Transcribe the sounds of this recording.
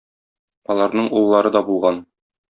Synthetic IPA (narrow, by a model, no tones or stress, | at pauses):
ɒlˠɑɾnɤɴulˠlˠɑɾɤd̪ɒbulˠʁɑn